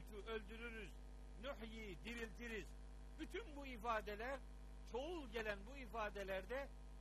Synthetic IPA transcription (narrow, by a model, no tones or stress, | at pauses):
t̪ʰyʔø̞lʲd̪yɾyɾyz | nuħjiːd̪iɾilʲt̪ʰiɾiz | byt̪ʰynbuifaːd̪elʲæɾ | t͡ʃʰo̞ulˠɟe̞lʲænbuifaːd̪elʲæɾd̪ɛ